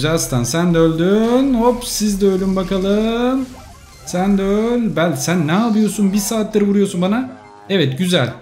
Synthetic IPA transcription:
zast̪ʰansænd̪ɛølʲd̪ynhopsizd̪ɛølʲymbakalˠɯm | sænd̪ɛølʲbælʲsænːɛapɯjo̞sunbiɾsaːt̪laɾɯvuɾujo̞sunbana | ɛvɛt̪ɟyzælʲ

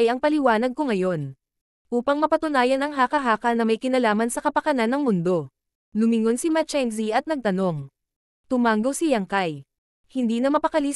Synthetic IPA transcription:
jɐŋpɐlɪwaːnɐɡ̚ko̞ŋɐjo̞n | ʔuːpɐŋmɐpɐt̪ʊnaːjɐnɐŋɦaːkɐɦaːkɐnɐmɐjkɪnɐlaːmɐnsɐkɐpɐkɐnanːɐŋmʊnd̪o̞ | lʊmɪŋo̞nsimɐt͡ʃɛns̬iɐt̪nɐɡ̚t̪ɐno̞ŋ | t̪ʊmaːŋɡowsijɐŋkaj | hɪnd̪iːnɐmɐpɐkɐli

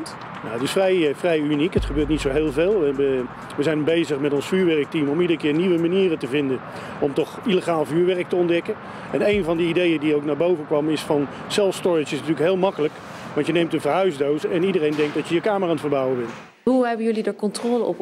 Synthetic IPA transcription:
naətɪsfrɛjfrɛjynikətχəbøːɹt̬̚nitsowɦeːlˠveːlˠə | ʋəzɛjnbejzəχmɛtɔnsfyːɹʋɛrək̚timɔmidərəkɪːɹniʋəmaniːrətəvɪndən | ɔmtɔχileχaːlˠvyːɹʋɛrək̚təɔndɛkən | ɛnejnvɑndəidejədiowknaːɹbowvənkʋɑmɪsfɑn | sɛlˠfstɔɹɪt͡ʃɪsnətyːləkɦeːlˠmɑkələk | ʋɑntjənejmtənvəɹɦœɥzdowsɛnidərejndɛŋk̚dɑtjəjəkaːməraːntfərbʌwəʋɪnˠt | ɦuɦɛbəjɵlidəɹkɔntrɔːləʔɔ̰p

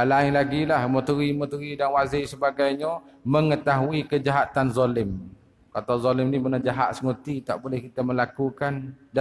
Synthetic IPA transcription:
alaɪŋlaɡilahmot̪uɾimot̪uɾidanwazɪhsəbaɡajɲəməŋət̪aɦuikəd͡ʒaɦat̪anzɔlɪm | kat̪awzɔlɪmnibənad͡ʒaɦa̰t̪̚səŋot̪it̪aʔbolɛhkit̪aməlakukanda

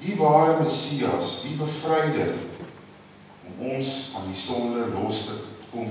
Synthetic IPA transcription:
divɑːɾəməsiɐ̰sdibəfrɛjdə̰r | ɔmɔnsɐndisɔndəlɔstətə̥kɔm

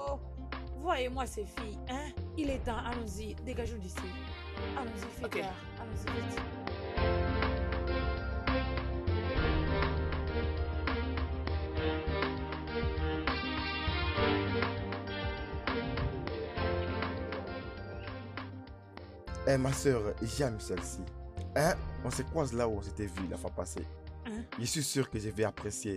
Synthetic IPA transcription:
o | vwajemw̃asefijɛ̃iled̪ãʔalɔ̃zideɡaʒũdisi | alɔ̃zifika | alɔ̃zidet̪i | ɛmasœːʁʒɛmsɛlsiɛ̃ɔ̃sɛkwãslauɔ̃set̪ɛvyla̰fapasḛ | ʒəsɥisyʁkəʒevɛapχesje

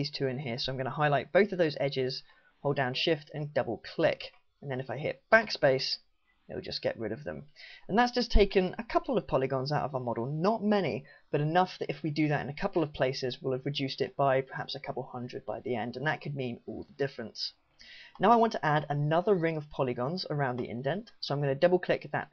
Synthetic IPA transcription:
iz̥tʰʉɨ̃nɦɪɹsoʊãɪmɡʌ̃nəɦaɪlaɪt̚b̥oʊθəvðoʊzɛd͡ʒɪz̥ | hoʊlˠdãʊ̃nʃɪftʰɨ̃ndʌbl̩ˠkʰl̥ɪ̰k | ə̃nðɨ̃nɨfaɪɦɪ̰t̚b̥ækspeɪs | ɪ̰l̩ˠd͡ʒʌsɡ̥ɛ̰ʔɹɪ̰ɾʌvðə̰̃mə̃nðətsd̥ʒ̥ʌstʰeɪkɨ̃nəkʰʌpl̩ˠʌv̥pʰɑlˠɨɡɑ̃nzaʊɾə̰vaə˞mɑɾl̩ˠnət̚mɛnḭb̥ʌɾɨnʌfðɨɾɨfwidɨðɨɾɨ̰̃nɨkʰʌpl̩ˠʌv̥pʰl̥eɪsɨzwɪlˠəvɹɨdʉstɨ̰t̚b̥aɪpʰə̥˞hæ̰psɨkʰʌpl̩ˠv̥hʌ̃ndɹɨd̚baɪðiɛ̃ndɨ̃nðət̚kʰɨd̚mĩnɔ̰lˠðədɪfɹɨ̃ns | naʊaɪwɑ̃ntʰəʔæɾənʌðə˞ɹɪ̃ŋʌv̥pʰɑlˠɨɡɑ̃nzə̰˞ãʊ̃nðḭʔɪ̰̃ndɛ̃ntsoʊãɪ̃mɡʌnɨdʌbl̩ˠkʰl̥ɪkɨðə̰t̚

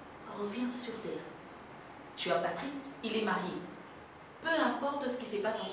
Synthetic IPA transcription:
ʁəvjɛ̃syʁt̪ɛːʁ | t̪yapat̪χikilɛmaʁje | pøɛ̃pɔʁt̪sə̥kʲisəpasɑ̃

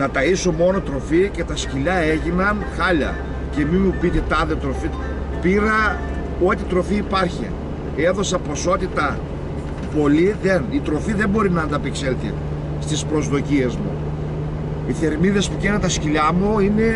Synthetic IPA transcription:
nɐt̪ɐiso̞mo̞no̞t̪ɾo̞ficet̪ɐsciʎɐeʝinɐnxɐʎɐ̰ | ce̞mimupit̪et̪ɐðet̪ɾo̞fi | piɾɐ | o̞t̪it̪ɾo̞fiːpɐɾçḭ | eðo̞sɐpo̞so̞t̪it̪ɐ | po̞liðenit̪ɾo̞fiðe̞mbo̞ɾinɐːnd̪ɐpikselt̪i | st̪ispɾo̞zðo̞cie̞zmṵ | iθe̞ɾmiðe̞spucent̪ɐsciʎɐmuine̞

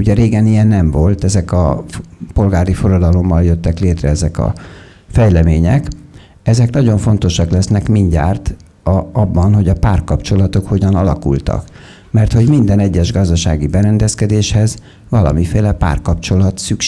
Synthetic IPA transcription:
uɟɛɾeːɡɛnijɛnːɛɱvo̞lt̪ɛzɛkɒpo̞lɡaːɾifo̞ɾɒd̪ɒlo̞mːɒljø̞t̪ːɛkleːt̪rɛɛzɛkɒ̰ | fɛjlɛmeːɲɛk | ɛzɛknɒɟo̞ɱfo̞n̪t̪o̞ʃɒklɛsnɛkmiɲɟa̰ːrt̪ | ɒbːɒnɦo̞ɟɒpaːrkɒpt͡ʃo̞lɒt̪o̞kho̞ɟɒnɒlɒkṵlt̪ɒ̰k | mɛrt̪ho̞ɟmind̪ɛnɛɟːɛʒɡɒzd̪ɒʃa̰ːɡibɛɾɛnd̪ɛskɛd̪eːʃhɛz | vɒlɒ̰mifeːlɛpa̰ːrkɒpt͡ʃo̞lɒt̪syk

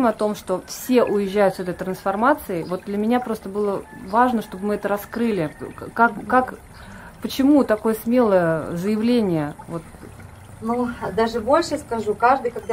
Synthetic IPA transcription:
mɐt̪o̞mʂt̪o̞fsʲe̞ʔʊjɪʑːæjʊt̪sɛt̪əɪt̪ɾənsfɐrmat̪sɨɪvo̞t̪̚d̪lʲəmʲɪnʲapɾo̞st̪əbɨlˠə | vaʐnəʂt̪o̞bɨmɨɛt̪əɾɐskɾɨlʲɪkakːak | pət͡ɕɪmut̪ɐko̞jəsmʲe̞lˠəjəzəjɪvlʲenʲɪjəvot̪ | nud̪aʐɨbo̞lʲʂəskɐʐukaʐd̪ɨjkɐɡd̪a

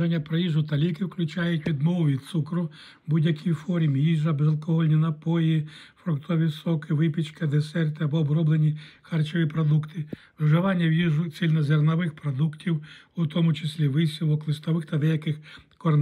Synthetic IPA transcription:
ɐnʲːɐpɾɐjiʒʊt̪ɐlʲikɪwklʲʊt͡ʃɑjʊtʲʋʲid̪mɔʋʊʋʲid̪̚t̪sukɾʊ | budʲjɐkʲifɔɾʲimjiʒɐbezɐlˠkɔɦɔlʲnʲinɐpɔjifɾɔkt̪ɔʋʲisɔkɪʋɪpʲit͡ʃkɪd̪esɛrt̪ɪɐbɔːbɾɔblˠenʲixɑrt͡ʃɔʋʲipɾɔd̪ukt̪ɪ | wʒɐʋɑnʲːɐwjiʒʊsʲilʲnɐzernɐʋɪxpɾɔd̪uktʲiw | ut̪ɔmʊt͡ʃesʲlʲiʋɪsʲilˠɔklˠɪst̪ɔʋɪxt̪ɐd̪ɛjɐkɪxkɔrn

